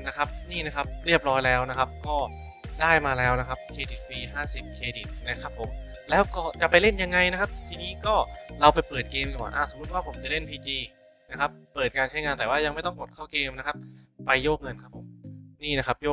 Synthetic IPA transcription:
na˦˥kʰa˦˥p̚niː˥˩na˦˥kʰa˦˥p̚ɾi˥˩əp̚ɾɔː˦˥jlɛː˦˥wna˦˥kʰa˦˥p̚kɔː˥˩ | daː˥˩jmaː˧lɛː˦˥wna˦˥kʰa˦˥p̚kʰeː˧di˨˩t̪̚wiː˧ɦaː˥˩si˨˩p̚kʰeː˧di˨˩t̪̚na˦˥kʰa˦˥pʰːo˨˩˦m | lɛː˦˥wkɔː˥˩t͡ɕa˨˩pa˧jle˥˩nja˧ŋːa˧jna˥kʰa˦˥p̚t̪ʰiː˧niː˦˥kɔː˥˩ɾa˧wpa˧jpɤː˨˩t̪̚keː˧mkɔː˨˩˦nʔaː˧˩so˩mːu˦˥t̪̚waː˥˩pʰo˩˦mt͡ɕa˨˩le˥˩npʰiː˧t͡ɕiː˧ | na˦˥kʰa˦˥pːɤː˨˩t̪̚kaː˧nt͡ɕʰa˦˥jŋaː˧nt̪ɛː˨˩waː˥˩ja˧ŋma˥˩jt̪ɔ˥˩ŋpo˨˩t̪̚kʰaː˥˩wkeː˧mna˦˥kʰa˦˥p̚ːa˧jːoː˥˩k̚ŋɤ˧nkʰa˦˥pʰo˨˩˦mniː˥˩na˦˥kʰa˦˥p̚joː˥˩

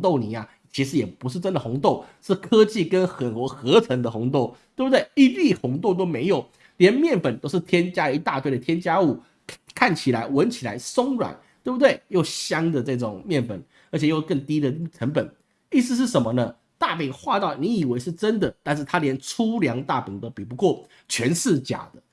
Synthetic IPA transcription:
t̪o˥˩ʊni˨˩a˨˩ | t͡ɕʰi˧˥ʂ̬ɻ̩˧˥jɛ˨˩pu˧˥ʂ̬ɻ̩˥˩ʈ͡ʂə˦˥nd̪ə˨˩xʊ˧˥ŋt̪o˥˩ʊʂɻ̩˥˩kʰɤ˥t͡ɕi˥˨kə˦nxə˨˩nxxɤ˧˥ʈ͡ʂʰə˧˥ŋd̪ə˧xʊ˧˥ŋt̪o˥˩ʊt̪we˥˩bu˩t̪we˥˩ɪi˧˥li˥˩xʊ˧˥ŋt̪o˥˧ʊt̪̬o˥ʊme˧˥ɪjo˨˩ʊ | ljɛ˧˦nmjɛ˥˩nfə˨˩nt̪o˥ʊʂ̬ɻ̩˥˩t̪ʰjɛ˥nt͡ɕja˥i˧˥t̪a˥˧t̪wɪə˨t̪ʰjɛ˥nt͡ɕja˥u˥˩ | kʰa˥˩nt͡ɕʰi˨˩la˧˥ɪwə˧˥nt͡ɕʰi˨˩la̰˧˥ɪsʊ˥ŋɻwa̰˨˩˦nt̪we˥˩bu˧˩t̪we˥˩ɪjo˥˩ʊɕjɑ˥ŋd̪ə˨ʈ͡ʂɤ˥˩ʈ͡ʂʊ˨˩˦ŋmjɛ˥˩nfə̰˨˩n | ə˧˥t͡ɕʰjɛ˨˩jo˥˧ʊkə˥˩ŋt̪i˥d̪ə˨ʈ͡ʂʰə˧˥npə˨˩˦n | i˥˩sɹ̩˧ʂ̬ɻ̩˥˩ʂə˨˩˦mə˧nə˧ | t̪a˥˩pi˨˩ŋxwa˥˧t̪ɑ˥˩ʊni˧˥i˨˩we˧˥ɪʂɻ̩˥˩ʈ͡ʂə˥nd̪ə˨t̪a˥˧nʂɻ̩˥˩t̪ʰa˥ljɛ˧˦nʈ͡ʂʰu˥ljɑ˧˥ŋt̪a˥˩pi˨˩ŋt̪o˥ʊpi˨˩pu˧˦kwɔ˥˩ | t͡ɕʰɥɛ˧˥nsɻ̩˥˩t͡ɕja̰˨˩d̪̥ə˦

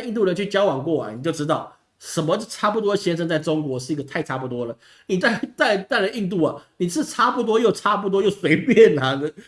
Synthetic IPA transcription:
i˥˧nt̪u˥˩ɻə˧˥nt͡ɕʰy˥˩t͡ɕjɑ˥ʊwɑ˨˩ŋkwɔ˥˩ɐ̰˩˨˩ni˨˩t͡ɕjo˥˩ʊʈ͡ʂɻ̩˥t̪ɑ˥˩ʊ | ʂə˧˥nmə˧˥˧ʈ͡ʂʰa˥˩pu˥˩t̪wɔ˥˨˩ɕjɛ˥nʂə˥˧ŋt͡sa˥˩ɪʈ͡ʂʊ˥ŋkwɔ˧˥ʂɻ̩˥˩i˧˥ɡə˧t̪ʰa˥˩ɪʈ͡ʂʰa˥pu˥˩t̪wɔ˥lə˨˩ | ni˨˩t̪a˥˩ɪ˩t̪a˥˩ɪ˩t̪a˥˩ɪlə˨˩i˥˧nt̪̬u˥˩ɐ˩ni˨˩ʂʰɻ̩˥˩ʈ͡ʂʰa˥pu˥˧˩t̪wɔ˥jo˥˩ʊʈ͡ʂʰa˥p̬u˥˩t̪̬wɔ˥jo˥˩ʊswe˧˥ɪpjɛ˥˩n˨˩d̪ə˦

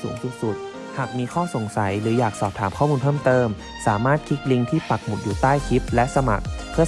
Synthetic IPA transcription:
uː˩˦ŋsu˨˩t̪̚su˨˩t̪̚ | haː˨˩k̚miː˧kʰɔː˥˩so˩˦ŋsa˩˦jɾɯː˩˦jaː˨˩k̚sɔː˨˩p̚t̪ʰaː˩˦mkʰɔː˥˩muː˧npʰɤː˥˩mt̪ɤː˧m | saː˩˦maː˥˩t̪̚kʰi˦˥k̪̚li˧ŋt̪ʰiː˥˩pa˨˩k̚mu˨˩t̪̚juː˨˩t̪aː˥˩jkʰi˦˥p̚lɛ˦˥ʔsa˧ma̰˨˩k̚pʰɯ˥˩ɐ

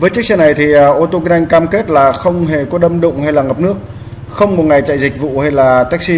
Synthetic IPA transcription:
vəː˨˦jt͡ɕi˦˥ək̚sɛ˧na˨˩jt̪ʰi˨˩ʔəː˨˩ʔo˧t̪o˧ki˧˥nʔa˧ŋ̟kaː˧mke˦˥t̚laː˨˩xə˧wŋ͡mɦe˨˩kɔ˨˦ɗə˧mɗʊ̰˧˨ŋ͡mha˧jlaː˨˩ŋə˨˩p̚nɨ˦˥ək̚ | xə˧wŋ͡mkɔ˨˩ŋa˨˩jt͡ɕa̰ː˧˨jzï˨˩k̟̚vṵ˧˨ha˧jlaː˨˩t̪aː˦˥k̚si˧

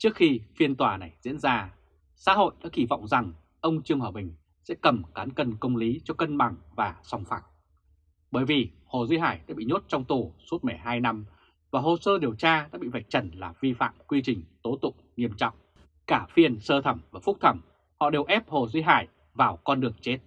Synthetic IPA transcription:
t͡ɕɨ˦˥ək̚xi˧fi˧ənt̪waː˨˩na˨˩jzḭ˧˥ənzaː˧ | sa̰ː˧˥ɦo̰˧˨jɗa̰ː˧˥ki˧˩vɔ̰˧˨wŋ͡mza˨˩ŋ | ʔə˧wŋ͡mt͡ɕɨ˧əŋhəː˨˧˩ɓï˨˩ŋ̟ | sɛ̰˧˥kə˨˩mkaː˨˦nkə˧nkə˧wŋ͡mli˨˦t͡ɕɔ˧kə˧nɓa˨˩ŋvaː˨˩sɔ˨˩wŋ͡mfa̰ː˧˩w̚ | ɓəː˧˩jvi˨˩ho˨˩zwi˧ɦaː˧˩jɗa̰ː˧˥ɓḭ˧˨ɲo˦˥t̚t͡ɕɔ˧wŋ͡mt̪u˨˩su˦˥ət̚mə˨˩jɦaː˧jna˧m | vaː˨˩ɦo˨˩səː˧ɗi˨˩əwt͡ɕaː˧ɗa̰ː˧˥ɓḭ˧˨va˨˩jk̚t͡ɕə˧˩nlaː˨˩vi˧fa̰ː˧˨mkwi˧t͡ɕï˨˩ŋ̟t̪o˨˦t̪ʊ̰˧˨ŋ͡mŋi˧əmt͡ɕɔ̰˧˨wŋ͡m | kaː˧˩fi˧ənsəː˧t̪ʰə˧˩mvaː˨˩fʊ˦˥k͡p̚t̪ʰə˧˩m | hɔ̰˧˨ɗe˨˩wʔɛ˦˥p̚ho˨˩zwi˧ɦa̰ː˧˩j | vaː˨˩wkɔ˧nɗɨ˨˩əŋt͡ɕe˦˥t̚

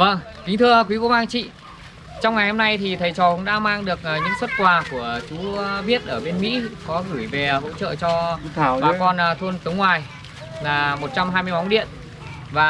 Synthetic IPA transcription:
və˧ŋki̟˨˦t̪ʰɨ˧əkwi˨˦ko̰˧˥˦maː˧ŋt͡ɕḭ˧˨ | t͡ɕa˧wŋ͡mŋa˨˩jho˧mna˧jt̪ʰi˨˩t̪ʰə˨˩jt͡ɕɔ˨˩kʊ̰˧˥ŋ͡mɗa̰ː˧˥maː˧ŋɗɨ˨˩ək̚ːɲɨ̰˧˥ŋswə˦˥t̚kwaː˨˩ku˧˩ət͡ɕu˨˦ɓi˦˥ət̚ʔəː˧˩ɓe˧nmḭ˧˥kɔ˨˦ɣɨː˧˩jve˨˩ho̰˧˥t͡ɕə̰ː˧˨t͡ɕɔ˧˨ɓaː˨˩kɔ˧n˨˩t̪ʰu˧ənt̪ɨ˨˦ŋwaː˨˩j | laː˨˩mo˨˩t̚t͡ɕa˧mɦaː˧jmɨ˧əjma˨˦wŋ͡mɗḭ˧˨ən | vaː˨˩

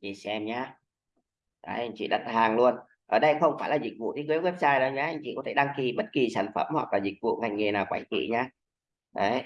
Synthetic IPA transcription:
zi˨˩sɛ˧mɲaː˧ | ʔa̰˨˦ʔa˧jŋ̟t͡ɕḭ˧˨ɗə̰˧˨˩t̚haː˨˩ŋlu˧ən | ʔəː˨˩ɗə˧jxə˧wŋ͡mfaː˧˩jlaː˨˩zï˨˩k̚vṵ˧˨i˨˦kɨ˨˦kwe˦˥p̚saː˧jɗə˨˦ɲaː˧˦ʔa˧jŋ̟t͡ɕḭ˧˨kɔ˨˦t̪ʰe˧˩ɗa˧ŋki˨˩ɓə˦˥t̚ki˨˩saː˧˩nfə˧˩mhwa̰˨˩k̚laː˨˩zï˨˩k̟̚vṵ˧˨ŋa˨˩jŋe˨˩naː˨˩wkwaː˧˦jt͡ɕḭ˧˨ɲaː˧ | ʔə˨˦j

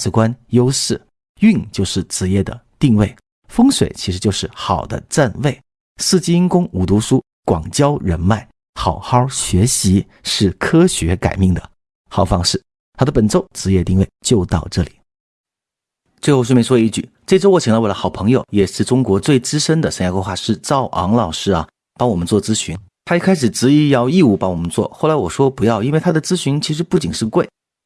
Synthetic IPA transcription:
t͡sɹ̩˨˩kwa˥njo˥ʊʂɻ̩˥˩ | y˥˧ŋt͡ɕjo˥˧ʊʂɻ̩˥˩ʈ͡ʂɻ̩˧˥jɛ˥˩d̪ə̰˩t̪i˥˧ŋwe˥˩ɪ | fɤ˥ŋʂwe˨˩ɪt͡ɕʰi˧˥ʂɻ̩˧˥t͡ɕjo˥˧ʊʂɻ̩˥˩xɑ˨˩ʊd̪ə̰˦t͡sa˥˧nwe˥˩ɪ | sɹ̩˥˩t͡ɕi˥i˥ŋkʊ˥ŋu˨˩t̪u˧˥ʂu˥ | kwɑ̰˨˩ŋt͡ɕjɑ˥ʊɻə˧˥nma˥˩ɪ | xɑ˨˩ʊxɑ˥ʊɕɥɛ˧˥ɕi˧˥ | ʂɻ̩˥˩kʰɤ˥ɕɥɛ˧˥ka̰˨˩ɪmi˥˩ŋd̪ə̰˩ | xɑ˨˩ʊfɑ˥ŋʂɻ̩˥˩ | t̪ʰa˥d̪ə˨pə˨˩nʈ͡ʂo˥˧ʊt͡sɹ̩˧˥ɥɛ˥˧t̪i˥˧ŋwe˥˩ɪt͡ɕjo˥˧ʊt̪ɑ˥˧ʊʈ͡ʂɤ˥˩li˨˩˦ | t͡swɤ˥˧xo˥˧ʊʂwmɛ˥nʂwɔ˥˧i˥˩t͡ɕy̰˥˩ʈ͡ʂɤ˥˧˩ʈ͡ʂo˥wɔ˧˥˩i˧˥ŋla˧˥wlə˦xɑ˨˩ʊpʰɤ˧˥ŋjo˧ʊjɛ˨˩ʂɻ̩˥˩ʈ͡ʂʊ˥ŋkwɔ˧˥t͡swe˥˩ɪʈ͡ʂɻ̩˥ʂə˥nd̪ə˨ʂə˥ja˧˥kwe˥xwa˥˧ʂɻ̩˥˧t͡sɑ˥˩ʊʔɑ̰˧˥ŋlɑ˨˩ʊʂɻ̩˥ɐ̰˨ | pɑ˥ŋwɔ˨˩mə˦nt͡swɔ˥˩t͡sɹ̩˥ɕy˧˥n | t̪ʰa˥i˥kʰa˥ɪʂɻ̩˨˩t͡sɻ̩˧˥i˥˧jɑ˥˧ʊi˥˧u˥˩pɑ˥ŋwɔ˨˩mə˦nt͡swɔ̰˥˩xo˥˩ʊla˧˥wɔ˨˩ʂwɔ˥pu˧˥jɑ˥˩ʊi˥nwe˥˩ɪt̪ʰa˥d̪ə˨t͡sɹ̩˥ɕy˧˥nt͡ɕʰi˧˥ʂɻ̩˧˥pu˥˩t͡ɕi˨˩ŋʂɻ̩˥˧kwe˥˩ɪ

